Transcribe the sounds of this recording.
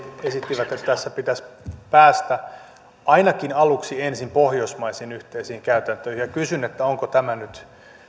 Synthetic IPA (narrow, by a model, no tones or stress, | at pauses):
esit̪ːiʋæt̪et̪ːt̪æsːæpit̪æspæːst̪æ | ɑinɑkinɑluksiensimpohjosmɑisinyht̪eisiːŋkæyt̪ænt̪øːihijɑkysynet̪ːæoŋkot̪æmænyt̪